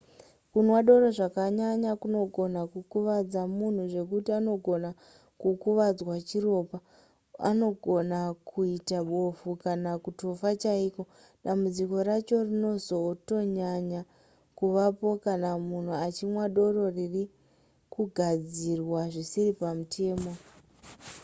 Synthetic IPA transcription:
kunwaɗo̞ɾo̞ʐakaɲaɲakuno̞ɡʱo̞nakukuʋad͡zamun̤uʐe̞k̬utiano̞ɡʱo̞na | kukuʋad͡zwat͡ʃiro̞pa | a̰no̞ɡʱo̞nakʰuitaɓofukanakutofat͡ʃaiko̞ | ɗambud͡ziko̞ɾat͡ʃo̞rino̞zo̞to̞ɲaɲa | kuʋapo̞kanamun̤uat͡ʃimwaɗo̞ro̞riri | kuɡʱad͡zirwaʐisiripamutʰe̞ːmo̞

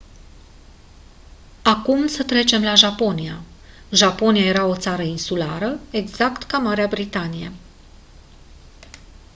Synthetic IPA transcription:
akumsət̪ɾe̞t͡ʃe̞mlaʒapo̞nija | ʒapo̞nijaje̞ɾao̞t̪saɾəinsulaɾəe̞ɡz̥akt̪kamaɾeabɾit̪anijḛ

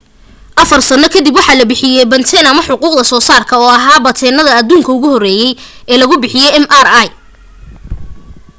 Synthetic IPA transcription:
ʔɐfɐrsɐnɔkʰɐd̪ibwɑħɑːlɐbɪħɪjɛjbɐnt̪ʰɛnɐmɐħʊquːqd̪ɐsɔːsaːrkʰɐɔːɐɦaːbɐt̪ʰɛːnɐðɐɐd̪uːŋkʰɐʊɣʊhɔrɛːjɛjɛːlɐɣʊbɪħɪjɛjɛmʔaraj

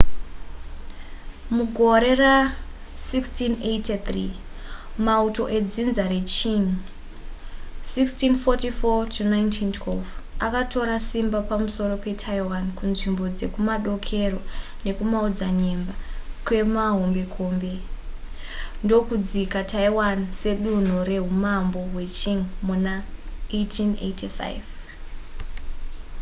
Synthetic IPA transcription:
muɡʱo̞ɾe̞ra | sikstinetet̪ri | mauto̞̰ʔe̞d͡zinzaɾet͡ʃin | sikstinfotifotʰunaintʰintʰwelvakatʰo̞ɾasimbapamuso̞ɾo̞pe̞tʰaiwankunʐimbo̞d͡ze̞kumaɗo̞kʰe̞ro̞ | ne̞kumaod͡zaɲe̞mbakwe̞maɦo̞mbe̞kʰo̞ːmbe̞ | ndo̞kud͡zikatʰaiwanse̞ɗun̤uɾe̞ɦumambo̞ɦwe̞t͡ʃiŋmunaetʰinḛtifa̰jv

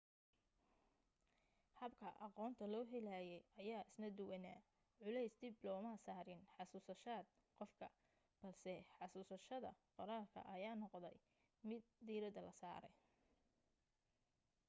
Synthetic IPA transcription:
hɐbkʰɐʔɑqɔːnt̪ʰɐlɔːɦɛlaːjɛjɐjaːɪsnɐd̪ʊwɛna̰ː | ʕʊlɛjsd̪ɪblɔːmɐsaːɾɪnħɑsuːsɐʃaːd̪̚ | qɔfkʰɐ | b̥ɐlsɛħɑsuːsɐʃɐðɐ̰qɔɾaːlkʰɐ̰ʔɐjaːnɔqd̪ɛ̰j | mɪd̪̚ːiːɾɐd̪ɐlɐsa̰ːɾɛ̰j

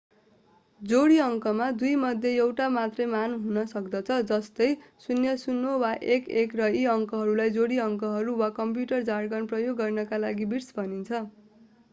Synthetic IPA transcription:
d͡zoɽiʌŋkʌmad̪ujmʌd̪ʱjeewʈamat̪rʌjmanɦunʌsʌkd̪ʌt͡sʰʌd͡zʌst̪ʌjsunjʌsunːowaʔekekrʌiʌŋkʌɦʌɾulajd͡zoɽiʌŋkʌɦʌɾuwakʌmp̬juʈʌrd͡zarɡʌnprʌjoɡːʌrnʌkalaɡibirsbʱʌnint͡sʰʌ

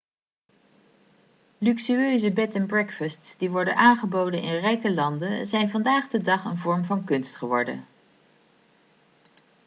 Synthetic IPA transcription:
lyksyøɥzəbɛtənbrɛkfəstsdiʋɔɹdənʔaːnχəbowdənɪ̰nrɛjkəlɑndəzɛjnvɑndaːχdədɑχə̰nvɔɹmvɑnkɵnstχəʋɔɹdə̰n

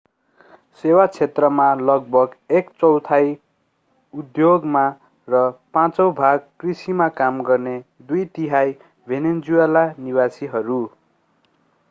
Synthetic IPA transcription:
sewat͡sʰet̪rʌmalʌɡ̚bʱʌɡekt͡sʌwt̪ʰaj | ud̪joɡma | rʌpãt͡sʌwbʱaɡkrisimakamɡʌrne | d̪ujt̪iɦaj | bʱenend͡zuelaniwasiɦʌɾu

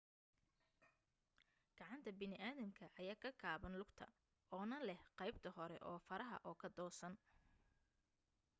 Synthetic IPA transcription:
ɡ̥ɑʕɑnt̪ʰɐbɪnɪʔaːðɐmkʰɐʔɐjaːkʰɐkʰaːβɐnlʊɡt̪ʰɐ̰ | ɔːnɐlɛhqɑjb̚t̪ʰɐhɔɾɛ̰ʔɔːfɐɾɐɦɐ̰ʔɔːkʰɐd̪ɔːsɐn

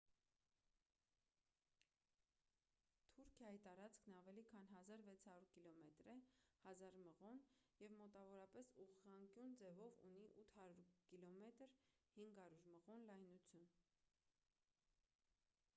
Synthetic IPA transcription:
t̪ʰuɾkʰjɑjit̪ɑɾɑt͡skʰnɑvɛlikʰɑnɦɑzɑɾvɛt͡sʰhɑɾuɾkilɔmɛt̪ɾɛhɑzɑɾməʁɔnjɛvmɔt̪ɑvɔɾɑpɛsuʁʁɑŋkjund͡zɛvɔvṵniʔut̪ʰhɑɾuɾkilɔmɛt̪əɾhiŋɡɑɾuɾməʁɔnlɑjnut͡sʰjun

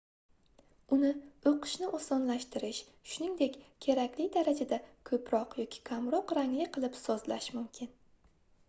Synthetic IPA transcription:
ʊnɪoqʰɨ̥ʃnɪʔosɒnlaʃt̪ɪɾɪʃ | ʃʊnɪŋd̪e̞kʲkʲʰe̞ɾakʲlɪd̪aɾad͡ʒad̪akʰɵpʰɾɒqjɒkʲʰɪ̥kʲʰamɾɒqɾaŋlɪqʰɨlˠɪpsɒzla̰ʃmʊmkʲʰɪn

